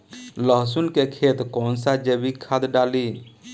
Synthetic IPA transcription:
ləɦsunkekʰet̪kɔːnsad͡ʒebikʰad̪ɖaːli

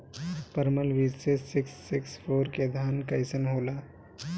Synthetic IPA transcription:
pəɾməlʋisesɪksːɪksfʰoːɾked̪ʱaːnkɐjsənɦoːlaː

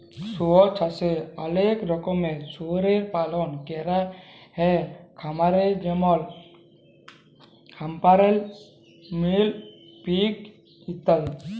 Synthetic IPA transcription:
soɔt͡ʃʰaseəlekɾɔkɔmesoɾeɾpalɔnkɛɾahɛkʰamaɾed͡ʒɛmɔl | kʰampaɾɛl | mil | pik | it̪aj

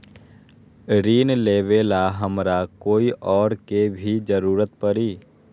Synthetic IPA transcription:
ɾiːnleːʋeːlaɦəmɾakoːiʔɔːɾkebʱid͡ʒəɾuːɾət̪pəɾiː

